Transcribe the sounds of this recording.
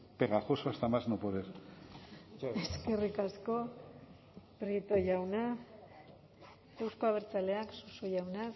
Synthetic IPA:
peɣaxosoast̪amaznopoɾeɾ | eske̞rikasko̞ | pɾit̪o̞jʝawna | ewsko̞aβ̞eɾt͡sale̞aksusoʝawna

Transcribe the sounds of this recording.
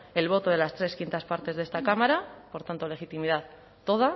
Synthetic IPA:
e̞lβ̞o̞t̪o̞ð̞e̞last̪ɾe̞skint̪aspaɾt̪e̞zðe̞st̪akamaɾapo̞ɾt̪ant̪o̞le̞xit̪imiðað | t̪ːo̞ð̞a

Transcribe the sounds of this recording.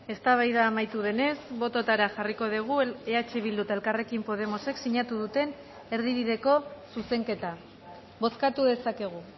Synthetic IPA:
e̞st̪aβajðaːmajt̪uð̞e̞ne̞sβo̞t̪o̞t̪aɾaʝariko̞ðiɣ̞ue̞at͡ʃe̞β̞ild̪ut̪ae̞lkare̞kimpo̞ð̞e̞mo̞se̞ksiɲat̪uðut̪e̞n | e̞ɾð̞iβ̞iðe̞ko̞suse̞ŋke̞t̪a | βo̞skat̪uðe̞sake̞ɣ̞u

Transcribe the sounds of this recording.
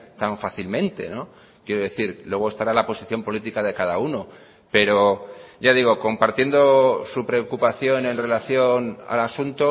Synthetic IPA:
t̪aɱfaθilmẽ̞nt̪e̞̰no̞ | kje̞ɾoðe̞θiɾlwe̞ɣ̞oest̪aɾalapo̞siθjo̞mpo̞lit̪ikaðe̞kaðauno̞ | pe̞ɾo̞ɟ͡ʝaðiɣ̞o̞ko̞mpaɾt̪je̞nd̪o̞supɾe̞okupaθjo̞ne̞nre̞laθjo̞na̰lasunt̪o

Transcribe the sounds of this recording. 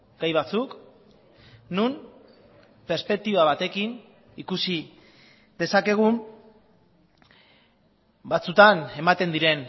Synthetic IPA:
ɡ̥ajβat͡suk | num | pe̞ɾspe̞k̚t̪iβaβat̪e̞kin | ikusi | ðe̞sake̞ɣ̞um | bat͡sut̪ane̞mat̪e̞nd̪iɾe̞n

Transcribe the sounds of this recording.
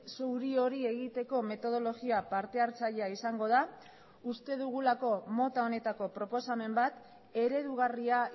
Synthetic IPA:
sowɾio̞ɾie̞ɣit̪e̞ko̞me̞t̪o̞ð̞o̞lo̞ɣiapaɾt̪e̞aɾt͡saʎeaisaŋɡo̞ð̞a | ust̪e̞ðuɣ̞ulako̞mo̞t̪ao̞ne̞t̪ako̞pɾo̞po̞same̞mbat̪ | e̞ɾe̞ðuɣ̞aria

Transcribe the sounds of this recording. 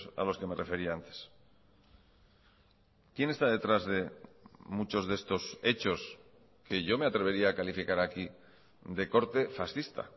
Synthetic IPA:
sa̰lo̞ske̞me̞re̞fe̞ɾiant̪e̞̥s | kje̞ne̞st̪aðe̞t̪ɾazðe̞mut͡ʃo̞zðe̞st̪o̞se̞t͡ʃo̞s | ke̞ʝo̞me̞at̪ɾe̞βe̞ɾiaːkalifikaɾaki | ðe̞ko̞ɾt̪e̞fasθist̪a̰

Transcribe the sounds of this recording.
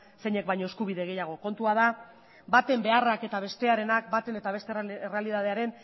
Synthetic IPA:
se̞ɲe̞k̚bajɲo̞eskuβiðe̞ɣe̞jaɣ̞o̞ko̞nt̪uað̞a | bat̪e̞mbe̞arake̞t̪aβ̞e̞st̪e̞aɾe̞nakbat̪e̞ne̞t̪aβe̞st̪erealiðað̞e̞aɾe̞n

